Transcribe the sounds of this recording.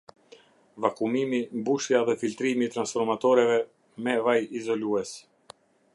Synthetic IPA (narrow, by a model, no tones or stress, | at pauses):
vakumimimbuʃjaðɛfilt̪ɾimit̪ɾansfɔɾmat̪ɔɾɛvɛ | mɛvajizɔluɛs